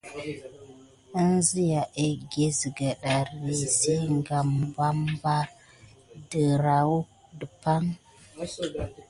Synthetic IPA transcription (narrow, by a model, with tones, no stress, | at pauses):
ə˦nzi˦ja˨ʔe˦ɡe˦zi˨ɡə˨ɗa˨ɾi˨se˦ŋɡa˨mba˦mba˦ɾ | də˨ɾa˨wu˦ | də˨pa˦ŋ